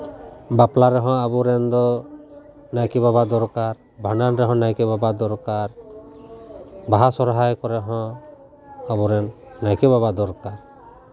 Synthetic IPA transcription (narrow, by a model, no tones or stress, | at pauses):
baplaɾɛɦɔ̃abuɾɛnd̪ɔ | najkɛbabad̪ɔɾkaɾ | bʱaɳɖanɾɛɦɔ̃najkɛbabad̪ɔɾkaɾ | baɦasɔɾɦajkɔɾɛɦɔ̃ | abuɾɛnː | ajkɛbabad̪ɔɾkaɾ